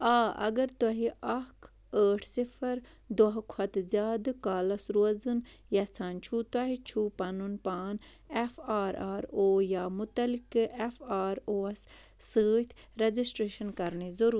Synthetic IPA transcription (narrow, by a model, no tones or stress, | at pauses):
aːɐ̰ɡɐɾt̪ɐɦiʔɐkʰ | əːʈʰsifʰɐɾ | d̪oɦkʰɐt̪zjaːd̪kaːlɐsɾozɨn | jɐsʰaːnt͡ʃʰuːt̪wɐɦit͡ʃʰuːpɐnunpaːn | efʰaːɾaːɾoːjaːmʊt̪ɐlikefʰaːɾoːɐsː | əːt̪ʰɾed͡ʒisʈɾeːʃɐnkɐɾnezɐɾuː